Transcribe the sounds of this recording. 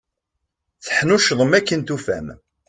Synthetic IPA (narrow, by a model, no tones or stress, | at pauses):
θəħnuʃðˤəmækːənt̪ufæ̰m